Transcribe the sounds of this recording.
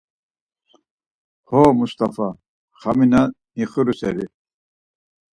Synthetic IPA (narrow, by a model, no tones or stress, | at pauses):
hɔːmust̪afa | χamina | niχəɾusɛ̰ɾi